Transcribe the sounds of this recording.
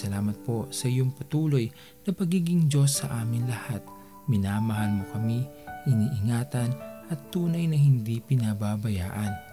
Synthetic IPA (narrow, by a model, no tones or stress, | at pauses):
ɐlaːmɐt̪̚po̞sɐʔɪjoŋpɐt̪uːlo̞j | nɐpɐɡiːɡɪŋd͡ʒo̞sːɐ̰ʔaːmɪnlɐhat̪̚ | mɪnamɐɦanmokɐmiʔɪniʔɪŋaːt̪ɐnʔɐt̪ːuːnɐjnɐhɪnd̪ipɪnababɐjaːʔɐn